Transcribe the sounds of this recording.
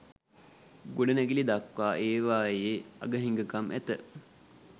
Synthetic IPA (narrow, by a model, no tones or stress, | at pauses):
ɡoɖənæɡilid̪akʋaːʔeːʋaːjeːa̰ɡəɦiŋɡəkamʔæ̰t̪ə